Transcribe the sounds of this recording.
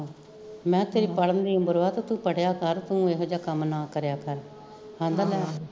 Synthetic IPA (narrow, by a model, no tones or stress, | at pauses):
mɛ̃ːt̪eːɾiːpəɽənd̪iːə̃mbəɾʋaːt̪aːt̪ũːpəɽjaːkəɾt̪ũːeɦd͡ʒaːkəmnaːkəɾjaːkəɾ | hãːnd̪aːlɛː